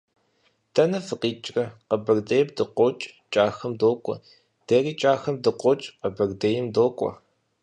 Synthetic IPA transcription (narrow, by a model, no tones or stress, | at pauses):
d̥ʰɐnɐfɨqiːt͡ʃʼrɐqɐbɐrdejɛb̚dɨqʷɔt͡ʃʼt͡ʃʼaːxɐmdoːkʷʼɔ̰ | d̥ɐriːt͡ʃʼaːxɐmdɨqʷɔt͡ʃʼqɐbɐrdejɪmdoːkʷʼɔ̰